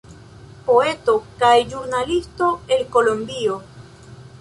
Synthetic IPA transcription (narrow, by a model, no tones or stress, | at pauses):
po̞e̞t̪o̞kajd͡ʒuɾnalist̪oelkolombio